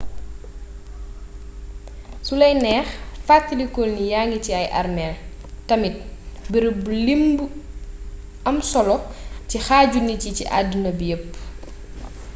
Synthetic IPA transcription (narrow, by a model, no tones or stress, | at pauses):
sulɐjnɛːxfatːilikɔlnijaːŋiciɐjʔɐ̰rmɛl | tɐmit̚biɾbulimb | ɐmsɔlɔcixaːɟunicicḭʔa̰dːunɐbjəpː